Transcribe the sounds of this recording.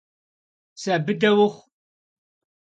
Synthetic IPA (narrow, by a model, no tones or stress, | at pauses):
sɐbɨdɐwʊχʷ